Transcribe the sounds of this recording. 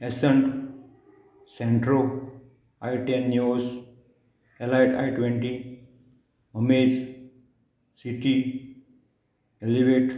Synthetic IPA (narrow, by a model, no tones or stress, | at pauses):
esəɳʈ | sẽɳʈɾo | ajʈenːjoːs | elaʈa̰jʈʋẽɳʈi | məmeːd͡ʒ | siʈi | eliʋeːʈ